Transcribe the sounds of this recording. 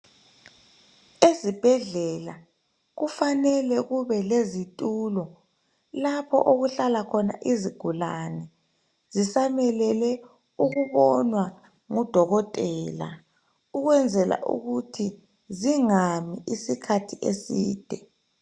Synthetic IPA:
ezib̥ʱɛɮɛla | ɣufanɛlɛɣuβɛlezitʼuːlɔ | lapʰɔ̰ʔoɣuɬalakʰɔna̰ʔiziɡ̥ʱulanɛ | zisamɛlɛlɛ | uɣuβɔnwa | ŋud̥ʱɔɣɔtʼɛːla̰ | uɣwɛnd͡zʱɛla̰ʔṵɣutʰi | ziŋamiʔisikʰatʰiʔesiːd̥ʱɛ

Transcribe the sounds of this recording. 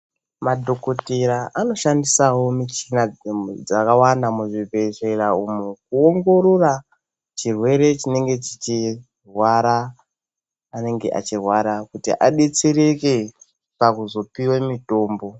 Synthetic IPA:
madʱo̞ko̞teɾaʔano̞ʃandisawo̞mit͡ʃinad͡zakawandamuʐivʱe̞ʐeɾaumukuoŋɡo̞ɾo̞ra | t͡ʃirwe̞ɾe̞t͡ʃine̞ŋɡe̞t͡ʃit͡ʃi | rwaɾa | ne̞ŋɡe̞̰ʔa̰t͡ʃirwaɾakutḭʔaɗe̞t͡seɾe̞ke | pakuzo̞piwemito̞ːmbo̞

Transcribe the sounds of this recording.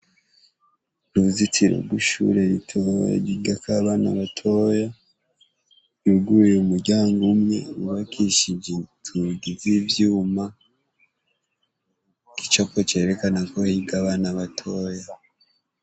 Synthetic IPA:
nuzitʰiɾo̰ɡwuʃṵɾe̞ɾitʰoja̰ɟiɡakaβana̰βatʰo̞ːja | iɡujeumuɾɟaːŋɡumŋe̞̰uβakiʃid͡ʒetʰuiɡizivjuːma | ki̥t͡ʃakot͡ʃe̞ːɾe̞kanako̞hiɡaβaːnaβatʰo̞ːja

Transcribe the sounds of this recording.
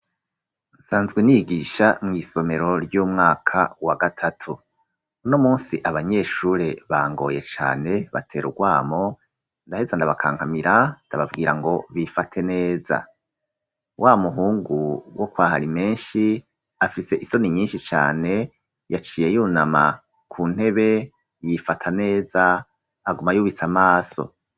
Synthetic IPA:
n̩saːnzɡweniɡiːʃamŋiːso̞me̞ɾo̞ɾɟuːmŋaːkʰawaɡatʰatʰu | no̞muːnsiʔaβaɲe̞ːʃuɾe̞βaːŋɡo̞̰ːje̞t͡ʃa̰ːne̞βa̰tʰe̞ːɾuɡwaːmo̞ | ndahe̞zandaβakʰaːŋ̥hamiɾandaβavɡiːɾaŋɡo̞βifatʰe̞ne̞ːza̰ | wʔaːmuɦuːŋɡuwʔokwaːɦaɾime̞ːnʃi | afise̞ʔiso̞niɲiːnʃit͡ʃa̰ːne̞ | jat͡ʃiːje̞juːnama | kʰuːn̥e̞βe̞ | jifatʰane̞ːzaː | ɡumajuːβit͡samaːso̞̰

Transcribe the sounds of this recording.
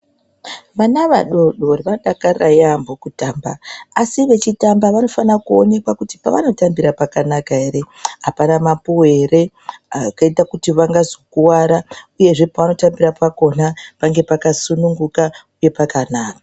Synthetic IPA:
ʋanaʋa̰ɗo̞ɗo̞riʋaɗakarajambokutaːmba̰asiʋe̞t͡ʃitambaʋano̞fanakuo̞ne̞kwakuti̥paʋano̞tambiɾapakanakaeɾe̞ɦapanamapuwe̞ːre̞ | akaitakutiʋaŋɡazo̞kuwaɾauje̞ʐe̞paʋano̞tambirapʰako̞napaŋɡe̞pakasunuŋɡuka | uje̞pakanaːkḁ

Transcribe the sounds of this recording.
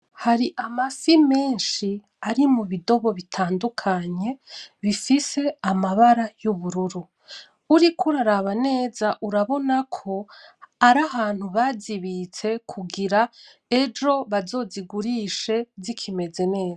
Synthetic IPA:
haɾiʔamasime̞ːnʃi | aɾimuβido̞βo̞βitʰaːndukʰaɲe̞βifise̞amaβaɾajuβuɾuɾu | uɾikʰuɾaɾaβane̞ːzaʔuɾaβo̞nakʰo̞aɾahaːn̥huβaziβit͡se̞kʰuɡiɾa | e̞d͡ʒo̞βazo̞ːziɡuɾiʃe̞zikʰime̞ze̞ne̞ːza

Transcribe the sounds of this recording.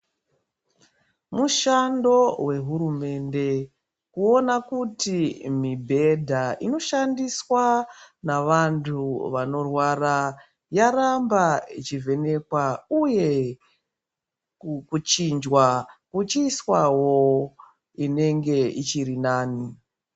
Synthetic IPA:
muʃando̞we̞ɦuɾume̞nde̞ | kuo̞nakutimibʱe̞dʱaino̞ʃandiswanaʋantʰuʋano̞rwara | jaɾambait͡ʃive̞ne̞kwauje̞ | kut͡ʃind͡ʒwakut͡ʃiswawo | ine̞ŋɡe̞it͡ʃiɾinaːni

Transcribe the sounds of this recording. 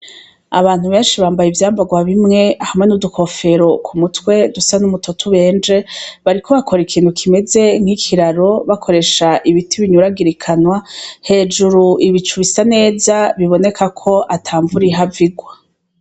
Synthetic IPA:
a̰βaːn̥huβe̞ːnʃiβaːmbajivjaːmbaɡwaβimŋe̞ahamŋenudukʰo̞fe̞ɾo̞kʰumutwe̞dusanumutʰotʰuβe̞ːnd͡ʒe̞βaɾikʰo̞βakʰo̞ɾikʰiːnhukʰime̞ze̞ŋ̥hikʰiɾaɾo̞βakʰo̞ɾe̞ʃaʔiβitʰiβiɲuɾaɡiɾikʰanwahe̞ːd͡ʒuɾuʔiβit͡ʃuβisane̞ːzaβiβo̞ne̞kʰakʰo̞ʔatʰaːɱvuɾiɦaviɡwa

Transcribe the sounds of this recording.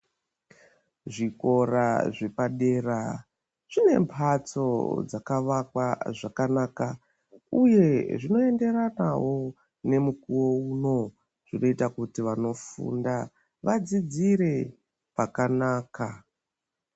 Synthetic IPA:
ʐiko̞ra̰ʐe̞paɗe̞ra | ʐ̥ine̞̰mpʰat͡so̞̰d͡zakaʋakwaʐakanaːka | uje̞ʐino̞e̞nde̞ɾanawo̞ | ne̞mukuwo̞uno̞ | ʐ̥ino̞itakutiʋano̞fṵnda | ʋad͡zid͡ziɾe̞ | pakanaːka

